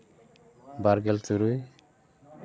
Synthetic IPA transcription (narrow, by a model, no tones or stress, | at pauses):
baɾɡɛltuɾuj